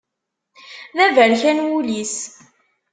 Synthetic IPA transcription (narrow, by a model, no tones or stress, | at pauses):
ðævəɾçænwulis